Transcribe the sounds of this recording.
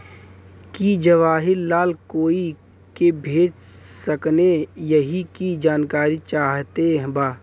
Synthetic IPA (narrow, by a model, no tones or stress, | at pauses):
kid͡ʒəʋaːɦɪɾlaːlkoːi | kebʱeːd͡ʒsəknejəɦikid͡ʒaːnkaːɾit͡ʃaːɦt̪eɦbaː